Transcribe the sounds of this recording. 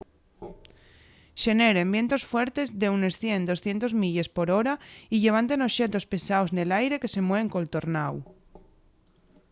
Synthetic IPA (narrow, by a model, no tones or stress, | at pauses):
ʃe̞ne̞ɾembje̞nt̪o̞sfwe̞ɾt̪e̞zðeune̞sθje̞nd̪o̞sθje̞nt̪o̞zmiʎe̞spo̞ɾo̞ɾaiʎe̞β̞ant̪e̞no̞ʃe̞t̪o̞spe̞saozne̞lajɾe̞ke̞se̞mweβŋko̞lt̪o̞ɾnaw